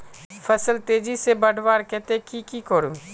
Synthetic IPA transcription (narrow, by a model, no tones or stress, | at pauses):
fʰɐsəlt̪eːd͡ʒisebɐɽʋaːɾkɛɦt̪ekikikoɾu